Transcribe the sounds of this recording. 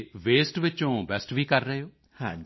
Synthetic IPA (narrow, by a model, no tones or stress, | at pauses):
ʋeːsʈʋɪt͡ʃõːbɛsʈʋiːkəɾːəɦeoː | hãː